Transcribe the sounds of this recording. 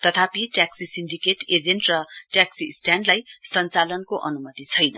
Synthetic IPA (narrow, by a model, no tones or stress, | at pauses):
t̪ʌt̪ʰapiʈjaksisinɖikeʈed͡zenʈrʌʈjaksisʈjanɖlajsʌnt͡salʌnkoʔʌnumʌt̪it͡sʰʌjnʌ